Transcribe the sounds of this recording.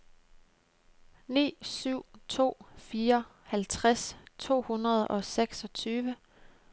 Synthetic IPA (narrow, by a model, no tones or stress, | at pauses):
nḭːsyʊ̰t͡sʰo̝̰ːfiːɐ | hælt͡sʰʁast͡sʰo̝̰ːhunɐð̞̩ˠɒ̽seɡ̥sɒ̽t͡sʰyːʋə